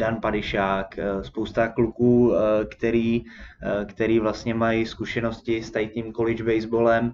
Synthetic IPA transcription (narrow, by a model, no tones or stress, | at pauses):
danpadɪʃaːkspowst̪aklukuːkt̪ɛɾiː | kt̪ɛɾiːvlast̪ɲɛmajɪskuʃɛno̞scɪst̪ajɪt̪ɲiːmkolɪd͡ʒbɛjzbolɛm